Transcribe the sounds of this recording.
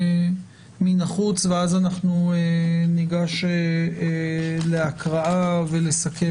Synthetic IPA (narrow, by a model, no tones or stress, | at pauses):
minaχut͡sveazanaχnueniɡaʃe | leakʁaʔave̞le̞sakʰe